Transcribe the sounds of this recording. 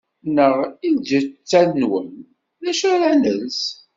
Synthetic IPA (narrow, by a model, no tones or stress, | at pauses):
nəʁild͡ʒət͡sːænnwən | ðæʃæɾænəls